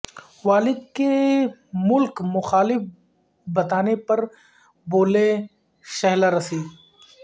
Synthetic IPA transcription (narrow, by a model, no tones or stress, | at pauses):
ʋaːlɪd̪̚ke | mʊlkmʊxaːlɪf | bɐt̪aːnepɐɾ | boːle | ʃɐɦlaɾɐsiː